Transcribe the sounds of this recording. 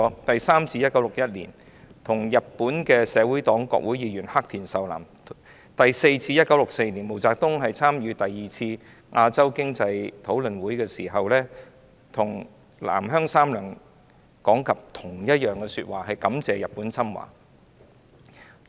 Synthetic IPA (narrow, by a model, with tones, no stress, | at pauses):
t̪ɐ˨jsaː˥mt͡siː˧jɐ˥t̚kɐ˨˥wlʊ˨k̚jɐ˥t̚lḭː˨˩n | t̪ʰʊ˨˩ŋjɐ˨t̚pːuː˨˥nkɛː˧sɛː˨˧wuː˨˥jt̪ɔː˨˥ŋkɔ̰ː˧k̚wu˨˥jiː˨˧jyː˨˩nha˥k̚t̪ʰiː˨˩nsɐ˨wla̰ː˨˩m | t̪ɐ˨jse˧jt͡sʰiː˧jɐ˥t̚kɐ˨˥wlʊ˨k̚se˧jni˨˩nmo˨˩wt͡saː˧k̚t̪ʊ˥ŋɦɐ˨jt͡sʰaː˥mjyː˨˧t̪ɐ˨jːiː˨t͡sʰiː˧ | ʔaː˧t͡sɐ˥wkɪ˥ŋt͡sɐ˧jt̪ʰo˨˥wlɵ˨nwuː˨˥jkɛː˧siː˨˩ɦɐ˨wlɛː˥ | t̪ʰʊ˨˩ŋ | la̰ː˨˩mɦœː˥ŋsaː˥mlœː˨˩ŋ | kɔː˨˥ŋkɐ˨p̚t̪ʰʊ˨˩ŋjɐ˥t̚jœː˨ŋkɛː˧sy˧t̚waː˨˩hɐ˨jkɐ˨˥mt͡sɛː˨˧jɐ˨p̚ːuː˨˥nt͡sʰɐ˥mwa̰ː˨˩